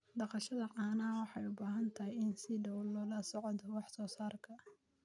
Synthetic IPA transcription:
ɖɑqɑʃɐðɐʕaːnaːwɑħɑjʊbaːɦɐnt̪ʰɐɦɛjɪnsɪɖɐwllɔːlɐsɔʕɔd̪ɔwɑħsɔːsaːrkʰɐ

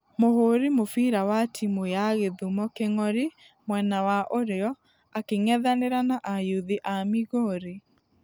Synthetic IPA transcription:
mohoɾimofiːɾawatʰimojaɣeðumɔkeŋɔɾi | mwɛnawaʔoɾeɔ | akeŋɛðaneɾanaʔajuðiʔamiɣoɾe

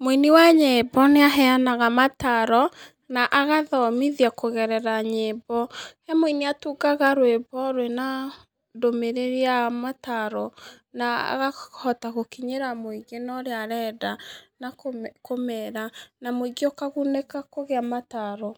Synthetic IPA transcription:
moiniwaɲebɔneaɦɛanaɣamataɾɔ | naʔaɣaðɔmiðiakoɣɛɾɛɾaɲebɔhamoiniatuɡaɣaɾwebɔɾwena | domeɾeɾeamataɾɔ | naa̰ɣahɔtaɣokiɲeɾamoiɡenɔɾeaɾɛdanakkomɛɾanamoiɡiɔkaɣunekakoɣeamataɾɔ

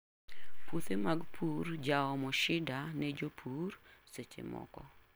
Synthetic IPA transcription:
pwot̪emaɡpʰurd͡ʒaɔmɔʃɪdanɛd͡ʒopʰurset͡ʃḛmɔ̰kɔ̰

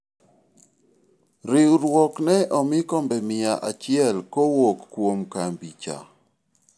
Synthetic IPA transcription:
ɾɪɾwɔknɛʔɔmɪkɔmbɛmɪaʔat͡ʃɪɛlkowokːwomkambit͡ʃa̰

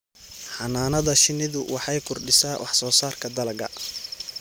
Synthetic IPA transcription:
ħɑnaːnɐðɐʃɪnɪðʊwʔɑħɑjkʰʊrɖɪsaːwʔɑħsɔːsaːrkʰɐd̪ɐlɐɡɐ̰

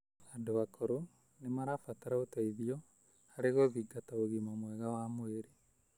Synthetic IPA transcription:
adowakoɾo | nemaɾafataɾaotaiðiɔ | aɾeɣoðiɡataoɣimamwɛɣawamoeɾe

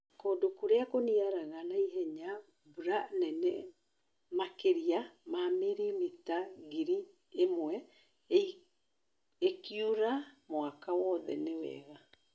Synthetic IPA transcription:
koːdokuɾeakoniaɾaɣanaiɦɛɲa | buɾanɛnɛ | makeɾiamameɾimitaɣiɾi | emwɛ | ekiuɾamoakawɔðɛ̰newɛ̰ɣa

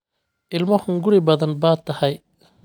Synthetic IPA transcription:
ʔɪlmɐhʊŋɡʊɽɪbɐðɐnbaːt̪ʰɐhɐj

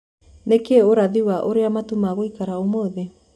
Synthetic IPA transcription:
nekeoɾaðiwaʔoɾeamatumaɣoikaɾaomoːðe

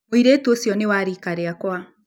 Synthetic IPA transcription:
oiɾeːtuosjɔnewaɾikaɾeakwa

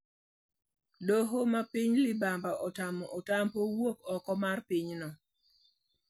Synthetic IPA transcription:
doɦomapiɲlɪbambaʔɔtamɔʔotampowokɔkɔmarpiɲnɔ

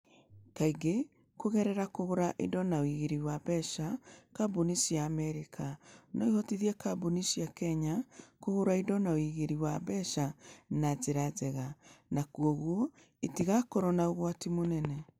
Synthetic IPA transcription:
kaiɡe | koɣɛɾɛɾakohoɾaʔḭdɔnaoiɣeɾiwaβɛʃakabunisijaːmɛɾikʰanɔihɔtiðiɛkabunisijakɛɲakohoɾaidɔnaoiɣeɾiwabɛʃanazeɾazɛɣanakuɔɣwɔ | etiɣakɔɾɔnaoɣwatimonɛnɛ

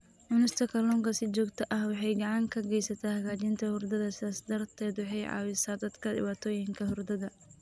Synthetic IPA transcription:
ʕʊnɪst̪ʰɐkʰɐlɔːŋkɐsɪt͡ʃɔːɡt̪ʰɐʔɐhwɑħɑjɡɐʕɑŋkʰɐɡɛjsɐt̪ʰaːhɐɣaːt͡ʃɪnt̪ʰɐhʊrd̪ɐðɐsɪðaːsd̪ɐrt̪ʰɛːd̪wɑħɑjʕɑ̰ːwɪsaːd̪ɐd̪kʰɐdɪ̰βaːt̪ʰɔːjɪŋkʰɐhʊrd̪ɐðɐ

